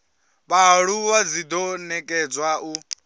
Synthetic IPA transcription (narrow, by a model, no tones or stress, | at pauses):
βaɺuβad͡zid̪ɔnɛkʼɛd͡zwaʔu